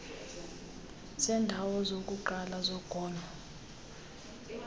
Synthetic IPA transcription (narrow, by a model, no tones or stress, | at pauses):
sɛndʱawɔzok̬ʼuǃalazɔɡ̥ʱɔːnʱɔ